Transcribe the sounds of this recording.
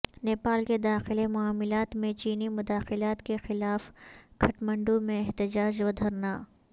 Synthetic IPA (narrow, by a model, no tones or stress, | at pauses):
neːpaːlked̪aːxɪlemʊaːmɪlaːt̪mẽt͡ʃiːnimʊd̪aːxɪlaːt̪kexɪlaːfkʰɐʈmə̃ɳɖũmẽɛɦt̪ɪd͡ʒaːd͡ʒʋɐd̪ʱəɾnaː